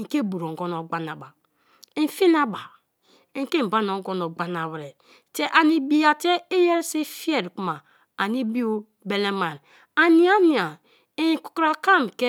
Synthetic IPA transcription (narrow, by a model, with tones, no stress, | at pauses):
ŋ̩˨ke˦˨bu˨ɾo˨ŋ̩˨ɡo˦no˨ɡ͡ba˦na˨ba˨ | i˦n˨˦fi˦na˦ba˨˦ | ŋ̩˨ke˦m̩˨ba˦no˨ŋ˦ɡo˦no˨ɡ͡ba˦na˨wɾe˨ | te˦ʔa˨ni˨bi˦ja˨te˦e˦je˦ɾsi˦fi˦e˦˨ɾku˦maː˨ | ni˦bi˦o˦ | be˨le˦ma˨n˨ | a˨ni˦a˦ni˨a˨ | i˦˨ku̥˨kɾa˨ka˦˨m˨ke˦